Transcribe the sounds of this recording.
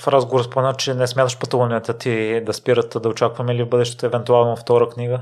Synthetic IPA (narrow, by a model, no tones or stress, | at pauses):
fɾazɡovɾəspomɛnat͡ʃɛnɛsmʲat̪əʃpət̪ovˠniɛt̪ət̪id̪ɐspiɾət̪ːd̪ɐot͡ʃakvɐmɛilivbɤd̪ɛʃt̪ɛ̥t̪oɛvɛnt̪ualˠnoft̪ɔɾəkniɡə